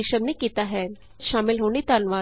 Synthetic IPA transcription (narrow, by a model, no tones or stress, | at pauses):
iʃəmnikit̪aɦɛn | ʃamilɦonit̪anʋa